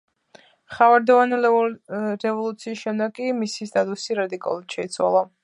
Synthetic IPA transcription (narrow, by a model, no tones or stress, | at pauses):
χavaɾd̪ɔvanɛ | ɾɛvɔlˠut̪sʰiːsʃɛmd̪akʼimisist̪ʼat̪ʼusiɾad̪ikʼa̰luuat̪ʃɛit̪sʰwa̰lˠa